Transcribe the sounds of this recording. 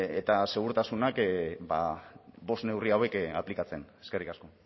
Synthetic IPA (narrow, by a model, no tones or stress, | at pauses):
et̪ase̞ɣ̞uɾt̪asunakbabo̞st̪ne̞wriawe̞ka̰plikat͡se̞ne̞̥ske̞rikasko̞